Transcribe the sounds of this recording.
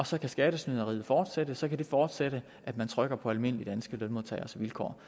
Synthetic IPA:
ɒ̽sɒ̽kʰæsɡ̥ɛːɾ̥əsnyðˠɐʁḭːð̩ˠfɒːd̥sed̥əsɒ̽kʰæd̥e̝fɒːd̥seɾ̥ə | ʔæd̥mænt͡sʰʁœɡ̥ɐpʰɒ̽ælme̝n̰əlid̥ænsɡ̥əlønmo̝ðˠt͡sʰɛ̰ɪɒsɒʋilkʰɒ̰ː

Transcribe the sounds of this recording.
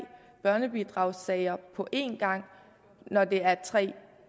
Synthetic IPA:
b̥ɶɐnəb̥id̥ʁɑ̈ʊsɛɪɐpʰɒ̽ʔe̝nɡ̥ɑ̈ŋ̰ | nɒd̥e̝æɐt͡sʰʁɛ̰ː

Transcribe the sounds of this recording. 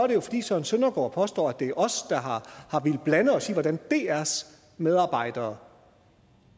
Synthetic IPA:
sɒɐɾe̝jo̝fɒ̽d̥ḭːsɒe̝nsønɐɡ̥ɒ̰ːpʰɒ̽sd̥ɒ̰ːæd̥e̝æɐʔɒ̽sd̥ɑ̈ɦɑ̈hɑ̈ʋe̝lb̥lænəɒ̽siːʋɒd̥ænd̥e̝æɐs | meðˠɑ̈ːb̥ɑ̈ɪ̰d̥ɐː

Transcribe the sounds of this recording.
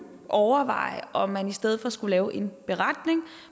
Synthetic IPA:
ʔɒʊɐʋɑ̰̈ɪ̰ʔɒ̽mːænisd̥eð̞̰ˠfɒ̽sɡ̥ulɛːʊʔe̝nb̥e̝ʁɑd̥ne̝ŋ

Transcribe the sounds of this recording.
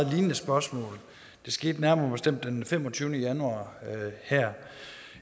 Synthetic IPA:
ð̩ˠliːnənəsb̥ɶɐsmɔ̰̽ːl | d̥e̝sɡ̥e̝̰ːd̥næɐmɐɐːb̥e̝sd̥em̰d̥ːenfem̰ɒ̽t͡sʰyːʊnəjænuɑ̰̈ːhæɐ̰

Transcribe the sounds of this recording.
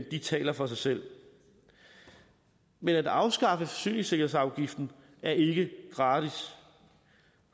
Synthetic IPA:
nd̥it͡sʰɛ̰ːlɐfɒ̽sɑ̈ɪsel̰ | menæd̥ɑ̈ʊsɡ̥ɑ̈fəfɒsy̰ːneŋse̝ɡ̥ɐhe̝̰sɑ̈ʊɡ̥ifd̥n̩ | æɐʔe̝ɡ̥əɡ̥ʁɑ̈ːd̥is

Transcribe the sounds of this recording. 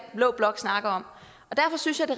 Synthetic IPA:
b̥lɔ̰̽ːb̥lɒ̽ɡ̥snɑ̈ɡ̥ɐɒ̽m̰ | ɒ̽d̥æɐfɒ̽synsjɑ̈ɪd̥e̝

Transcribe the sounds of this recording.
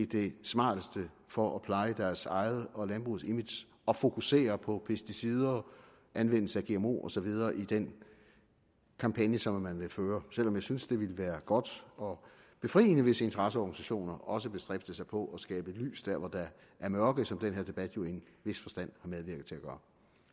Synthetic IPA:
id̥e̝smɑ̰̈ːd̥əsd̥ə | fɒ̽ʔɒpʰlɑ̈ɪəd̥æɐsɑ̈ɪð̩ˠɒ̽lænb̥ʁuðˠsemid̥s | ɒ̽fo̝kʰuse̝̰ːɐpʰɒ̽pʰesd̥isið̞ˠɐ | ʔænʋen̰l̩səæɡ̥e̝emo̝̰ːɒ̽sɒ̽ʋið̞ˠɐːʔid̥en | kʰɑ̈mpʰænjəsɒ̽mːænʋe̝føːɐsel̰ɒ̽mjɑɪsynsd̥e̝ʋiləʋæːɐɡ̥ɒ̽d̥ɒ̽ | b̥e̝fʁḭːnəʋe̝səe̝nt͡sʰɐʁɑs̬əɒɡ̥nisæɕo̝̰ːnɐʔɒ̽s̬əb̥e̝sd̥ʁɛb̥̚d̥əsɑ̈ɪpʰɒ̽ʔɒ̽sɡ̥ɛːb̥əly̰ːsd̥æɐ̰ʋɒd̥ɑ | æɐmɶɐɡ̥ð̩ˠsɒ̽md̥enɦeɐ̰d̥e̝b̥æd̥jo̝e̝nʋe̝sfɒ̽sd̥æn̰hɑ̈með̞ˠʋiɐɡð̩ˠt͡sʰe̝æɡ̥ɶːɐ

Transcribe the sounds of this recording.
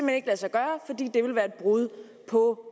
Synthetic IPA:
mhene̝ɡ̥læsɑ̈ɪɡ̥ɶːɐfɒ̽d̥ḭːd̥e̝ʋe̝lʋæːɐe̝d̥̚b̥ʁuð̞ˠ | pʰɒ̽

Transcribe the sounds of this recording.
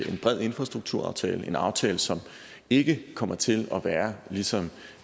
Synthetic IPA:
e̝nb̥ʁɛð̞̰ˠe̝nfʁɑsd̥ʁuɡ̥̚t͡sʰuɐ̰ɑ̈ʊt͡sʰɛ̰ːləʔe̝nɑ̈ʊt͡sʰɛːləsɒ̽m | e̝ɡ̥əkʰɒ̽mʔɐt͡sʰe̝lɒ̽ʋæːɐlisɒ̽m

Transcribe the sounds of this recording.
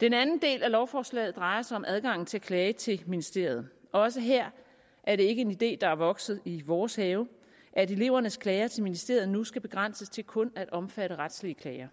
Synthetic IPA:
d̥enænn̩d̥e̝̰ːlælɒʊfɒːslɛ̰ːð̩ˠd̥ʁɑ̈ɪɐsɑ̈ɪɒ̽mʔæð̞ˠɡ̥ɑ̈ŋ̰n̩t͡sʰe̝ækʰlɛːt͡sʰe̝lminisd̥e̝ɐ̰ð̩ˠɒ̽s̬əɦeɐ̰ | ʔæɐɾe̝e̝ɡ̥əe̝nid̥e̝̰ːd̥ɑ̈æɐʋɒ̽ɡ̥sð̞̩ˠiʋɒːshɛːʊ | ʔæɾe̝le̝ʊ̰ɐnəskʰlɛːɪɐt͡sʰe̝lminisd̥e̝ɐ̰ð̩ˠnusɡ̥æb̥e̝ɡ̥ʁan̰səst͡sʰe̝lkʰɔ̽næɾ̥ɒ̽mfæɾəʁad̥sliəkʰlɛːɪɐ

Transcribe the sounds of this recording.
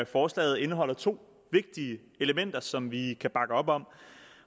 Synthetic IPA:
fɒːslɛ̰ːɪð̩ˠe̝nəɦɒ̽l̰ɐt͡sʰo̝̰ː | ʋe̝ɡ̥̚d̥iə | e̝ləmen̰d̥ɐsɒ̽mʋikʰæb̥ɑ̈ɡ̥əɒ̽b̥ɒ̽m

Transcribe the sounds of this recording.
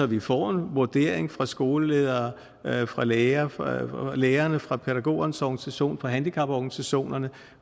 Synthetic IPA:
ɒ̽ʋifɒ̰ːe̝nʋoɐd̥e̝ɐ̰eŋfʁɑ̈sɡ̥o̝ːləleð̞ˠɐː | fʁɑ̈leːɐ | leːɐnəfʁɑ̈pʰeɾ̥æɡ̥o̝̰ːɐnəsɒɡ̥nisæɕo̝̰ːnfɑ̈ɦænd̥ikʰɑ̈b̥ɒɡ̥nisæɕo̝̰ːnɐnə

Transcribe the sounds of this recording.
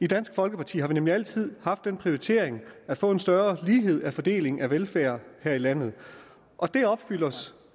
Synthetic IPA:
id̥æn̰sɡ̥fɒ̽lɡ̥əpʰɑ̈t͡sʰḭːhɑ̈ʋinemliæl̰t͡sʰið̞̰ˠhɑ̈fd̥ːenpʰʁio̝it͡sʰe̝ɐ̰eŋæfɔ̰̽ːe̝nsd̥ɶɐliːɦe̝ð̞̰ˠæfɒ̽d̥e̝̰ːle̝ŋæʋelfæːɐhæɐ̰ilæn̰ð̩ˠ | ʔɒ̽d̥e̝ɒ̽b̥fyl̰ɐs

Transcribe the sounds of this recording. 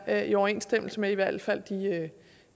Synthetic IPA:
iɒʊɐe̝̰ːnsd̥em̰l̩səmeiʋæɐ̰d̥fæl̰d̥iø

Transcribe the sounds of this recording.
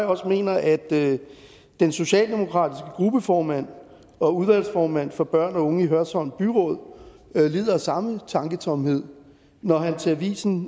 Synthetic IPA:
ɒ̽sme̝̰ːnɐʔæd̥ | enso̝ɕɛ̰ːld̥e̝mo̝kʰʁɑ̰̈ːd̥isɡ̥əɡ̥ʁub̥əfɒːmæn̰ | ɒ̽uð̞ˠʋæl̰sfɒːmæn̰fɒ̽b̥ɶɐ̰nɒ̽ɔ̽ŋəiɦɶɐsɒ̽nb̥yʁɔ̽ð̰ˠ | le̝ːð̰ˠɐsɑ̈mət͡sʰɑ̈ŋɡ̥ət͡sʰɒ̽mhe̝ð̞̰ˠ | nɒɦænt͡sʰe̝æʋḭːsn̩

